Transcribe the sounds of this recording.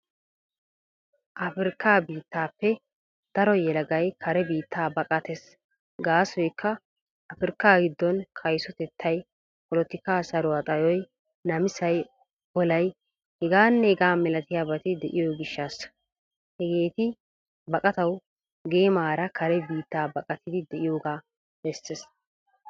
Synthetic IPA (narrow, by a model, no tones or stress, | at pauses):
ʔɐfɪɾkːaːbiːt̪ːaːpːɛ | d̪̥ɐɾɔjɛlɐɡɐjkʰɐɾɛbiːt̪ːaːbɐkʼɐt̪ɛs | ɡaːsɔjkʰːɐ | ʔɐfɪɾkːaːɡɪd̪ːɔnkʰɐjsɔt̪ɛt̪ʰːɐj | pɔlɔt̪ːɪkːaːsɐɾʊwat̪ʼɐjɔj | nɐmɪsɐj | ɔlɐj | hɛɡaːnːɛɛɡaːmɛlɐt̪ɪjaːbɐt̪ɪd̪ɛʔɪjoɡɪʃːɐs | hɛɡe̞ːt̪ɪ | bɐkʼɐt̪ɐw | ɡeːmaːɾɐkʰɐɾɛbiːt̪ːaːbɐkʼɐt̪ʰɪd̪ɪd̪ɛʔɪjoːɡaː | bɛsːɛs